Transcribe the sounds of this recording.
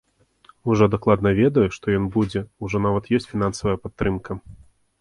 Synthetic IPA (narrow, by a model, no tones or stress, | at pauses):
uʐɔd̪aklˠad̪nɐvʲɛd̪ɐjuʂt̪ɔjɔnbud͡zʲɛuʐɔnavɐt̪jɔsʲt͡sʲfʲinansɐvɐjɐpat̪ːɾɨmkɐ